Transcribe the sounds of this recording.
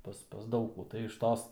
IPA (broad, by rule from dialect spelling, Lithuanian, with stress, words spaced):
ˈpɐs pɐs ˈdɐʊk kuː tɐɪ ɪʃ ˈtoːs